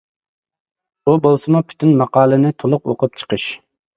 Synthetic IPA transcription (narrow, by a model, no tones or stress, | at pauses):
bubolˠsɨmʊpʰy̥t̪ʰynmɑqɑːlˠɨnɪt̪ʰolˠʊqoqʊp̚t͡ʃʰə̥qəʃ